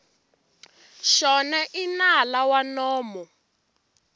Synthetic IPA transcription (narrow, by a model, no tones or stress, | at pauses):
ʃɔnaʔinalawanɔːmɔ